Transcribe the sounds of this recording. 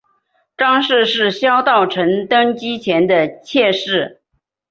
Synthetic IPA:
ʈ͡ʂɑ˥ŋʂɻ̩˥˧ʂɻ̩˥˩ɕjɑ˥ʊt̪ɑ˥˩ʊʈ͡ʂʰə˧˥nt̪ɤ˥ŋt͡ɕi˥t͡ɕʰjɛ˧˥nd̪ə˨t͡ɕʰjɛ˥˧ʂɻ̩˥˩

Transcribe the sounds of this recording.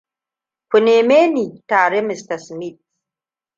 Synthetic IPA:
ɸʊ˨neː˨meː˦ni˨taː˨ɾe˦mɪ˨stɐ˨smi˦˨t̚

